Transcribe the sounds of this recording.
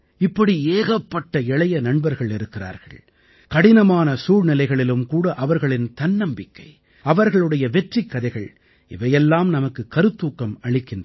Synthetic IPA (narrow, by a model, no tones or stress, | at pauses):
ɪpːɐɽieːɣɐpːɐʈːɐɛɭɐjɐnɐɳbɐɾɣɐɭɪɾɯkːɪra̰ːɾɣɐ̰ɭ | kɐɽɪnɐmaːnɐsuːɻnɪlɐɪɣɐɭɪlɯmkuːɽɐʔɐʋɐɾɣɐɭɪnt̪ɐnnɐmbɪkːɐɪ | ɐʋɐɾɣɐɭɯɽɐjɐʋɛʈrikːɐðɐɪɣɐɭ | ɪ̰ʋɐjɛlːaːmnɐmɐkːɯkːɐɾɯt̪ːuːkːɐmɐɭɪkːɪndr